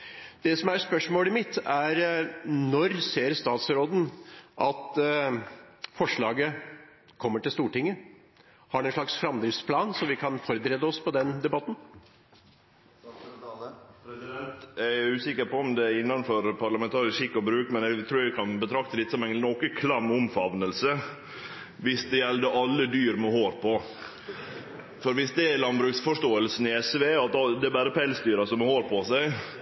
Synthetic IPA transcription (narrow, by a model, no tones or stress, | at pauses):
d̪̥ɛsɔmæɾspœʂmoːlɪmɪt̪ʰːæɾnɔɾseːɾst̪ɑːt̪sɾoːd̪n̩ʔɑt̪ | fɔʂɭɑːɡə | kʰɔmːəʈɪlst̪uːʈɪŋːə | hɑɖɛnʂɭɑksfɾɑmd̪ɾɪfspʰlɑːnsɔʋɪkʰɑnfɔɾbəɾɛd̪əɔspɔd̪ɛnd̪ɛbɑt̪n | pʰɾɛsɪd̪ɛnt̪æɾʉːsɪkːəɾpɔɔmd̪ɛɾɪnːɑnfɔɾpʰɑɾlɑmɛnt̪ʰɑːɾɪsʃɪkːɔbɾʉːkmɛnɛt̪ʰɾuːɾʋɪkʰɑnbət̪ʰɾɑk̚t̪əlɪt̪sɔmæɪnnɔkəkʰlɑmʊmfɑʋnəlsə | ʋɪsd̪ɛjɛld̪əʔɑlːəd̪yːɾmɛhoːɾpʰɔ | fɔɾʋɪsd̪ɛælɑnbɾʉːksfɔʂʈoːəlsn̩ɪɛsʋeːɑt̪ɑd̪ɛːbæːɾəpʰɛlsd̪yːɾɑsɔmɔhoːɾpʰɔsæɪ